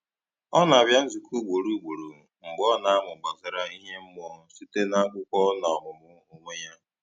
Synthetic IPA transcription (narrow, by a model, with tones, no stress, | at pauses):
ɔ˦na˨a˨bja˦n̩˦zu˨ku˦ɡ͡bo˨ɾu˦ɡ͡bo˨ɾo˨ | ŋ͡m̩˨ɡ͡bɔ˦na˨a˦mʊ˨ɡ͡ba˨zɪ˨ɾa˦i˦ɦe˦m̩˦m˦ɔ˦˨˦si˦te˦na˦kʊ˦kʷɔ˦na˨ɦʊ˨mʊ˦o˦me˦ja˦